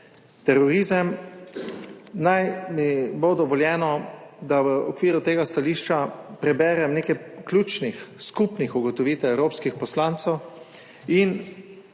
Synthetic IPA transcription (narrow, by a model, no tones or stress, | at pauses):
t̪ɛɾɔɾizəm | najmibod̪ɔʋɔljɛːnɔd̪aʋəɔkʋiːɾut̪eːɡast̪aliːʃt͡ʃapɾɛbɛːɾɛmneːkɛjklʲuːt͡ʃnixskupnixuɡɔt̪ɔʋiːt̪ɛwɛwɾoːpskixpɔslaːnt̪sɛw | in